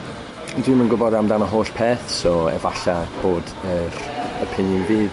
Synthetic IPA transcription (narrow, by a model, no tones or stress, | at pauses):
ndwɪmənɡʊbɔdamdanəɦoːɬpʰeːθsɔɛ̰vaɬab̥oːd | ərəpʰɪnjənviː